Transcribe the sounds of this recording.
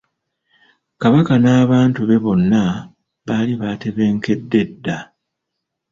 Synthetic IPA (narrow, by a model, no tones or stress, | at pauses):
kaβakanaːβaːntuβe̞βo̞nːa | βaːliβate̞βe̞ːŋke̞dːe̞dːa